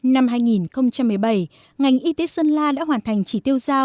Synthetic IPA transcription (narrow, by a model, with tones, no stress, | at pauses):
na˧mɦaː˧jŋi˨˩nxə˧wŋ͡mt͡ɕa˧mːɨ˨˩əjɓə˧˩j | ŋa˨˩jŋ̟ʔi˧t̪e˨˦sə˧nlaː˧ɗa̰ː˧˥ɦwaː˨˩nt̪ʰa˨˩jŋ̟t͡ɕi˧˩t̪i˧əwzaː˧w